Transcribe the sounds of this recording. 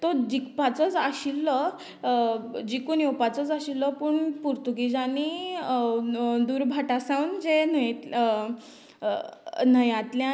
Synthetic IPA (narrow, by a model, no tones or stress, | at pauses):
t̪ɔd͡ʑikpat͡sɔt͡saɕilːɔ | d͡ʑikuniopat͡sɔt͡saɕilːɔpuɳpuɾt̪uɡid͡ʑani | d̪uːɾbʱaʈasãwnd͡zenəjt̪ | nəjãt̪lja